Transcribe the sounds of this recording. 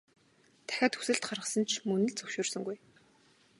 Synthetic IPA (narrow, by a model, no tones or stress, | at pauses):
t̪ʰæ̥xʲaːt̪ʰɵ̥sɘ̆ɬt̪χarʁə̆sə̆nt͡ɕʰmɵnɘ̆ɮt͡sɵwʃʊːrsɵ̆ŋɡuj